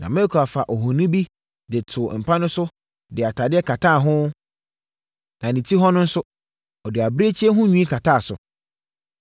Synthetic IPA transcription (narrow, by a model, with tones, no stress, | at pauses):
nã̰˨mɛ̃˦kʰa˨fa˨ʔɔ˨ɦɔ̃˨nĩ˦bi˦ | dɪ˨tʰʊ˨m̩˨pʰa˦nʊ̃˦sʊ˦ | dɪ˨a˨tʰa˨dɪ˦ɛ˦kʰa˨tʰaː˦˨ɦʊ̃˦ | nã˨nĩ˨tʰi˦ɦɔ˦nʊ̃˦n̩˦sʊ˦ | ɔ˨dɪ˨a˨bɾe˦t͡ɕʰi˦ɛ˦ɦʊ̃˦ɲũ˦ĩ˦kʰa˨tʰaː˦˨sʊ̰˨